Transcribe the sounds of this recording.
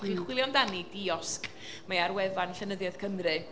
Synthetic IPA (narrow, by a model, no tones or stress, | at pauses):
χiχwɪlˠjɔndanidiɔskʼ | maaɾwɛvanɬɛnəðjað̥kʰənrɨ